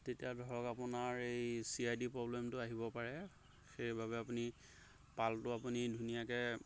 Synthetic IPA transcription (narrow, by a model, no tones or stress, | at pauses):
tetijadʱɔɹɔkapʊnaɹejsiajdipɹɔblemtʊaɦibɔpaɹɛ | xejbʱabɛapuni | paltʊapunidʱunijakɛ